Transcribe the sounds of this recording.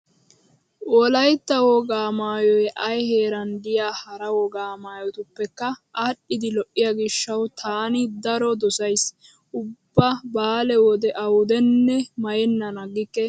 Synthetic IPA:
wɔlɐjt̪ːɐwɔɡaːmaːjɔjʔɐjheːɾɐnd̪ɪjaːhɐɾɐwɔɡaːmaːjɔt̪ʊpːɛkːɐʔɐɗːɪd̪ɪlɔʔːɪjaɡɪʃːɐwt̪ʰaːnɪd̪ɐɾɔd̪ɔsɐjs | ʔʊbːɐbaːlɛwɔd̪ɛʔɐwʊd̪ɛnːɛmɐjɛnːɐnɐɡːɪkːɛ

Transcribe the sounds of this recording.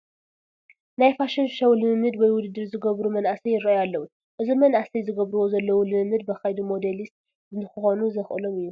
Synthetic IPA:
najfaʃɐnʃɐwlɨmɨmːɨd̪wɔjwʊd̪ɨd̪ːɨɾzɨɡɐβɾumɐnʔasɐjɪɾɐʔjalːɐwu | ʔɨzimɐnʔasijzɨɡɐβɾuwo̞zɐlːɐwulɨmɨmːɨd̪̚bɐxajd̪umo̞d̪elist̪ | zɨnːɨxɨxo̞nuzɐxɨlo̞mɨjːu

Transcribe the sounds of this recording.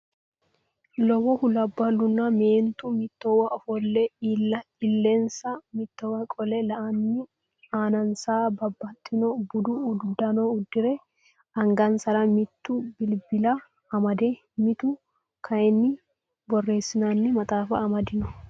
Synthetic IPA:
lɔwɔhʊlɐbːɐlːʊnːɐmeːnt̪ʊmɪt̪ːɔwɐʔɔfɔlːɛɐ | ɪlːɛnsɐmɪt̪ːɔwɐkʼɔlɛlɐʔɐnːɪ | aːnɐnsaːbɐbːɐt̪ːɪnɔbʊd̪ʊʊdd̪ɐnɔʊd̪ːɪɾɛ | ɐŋɡɐnsɐɾɐmɪt̪ːʊbɪlbɪlɐ | ɐmɐd̪e | mɪt̪ʊ | kʰɐjɛnːɪ | bɔrːe̞ːsːɪnanːɪmɐt̪ʼaːfɐːmɐd̪ɪnɔ

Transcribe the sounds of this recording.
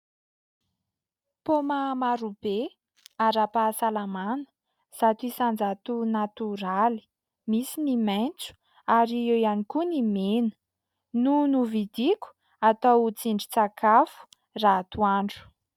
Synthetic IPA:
pomamaɾub̥e | aɾapasalamanə̥ | z̥at̪uisand͡zat̪unat̪uɾali̥ | misinimajnt͡su̥ | aɾiewjanikunimenə̥ | nunuvid̪ikʲu̥ | at̪awut͡siɳɖ͡ʐit͡sakʰafu̥ | rat̪uaɳɖ͡ʐu̥

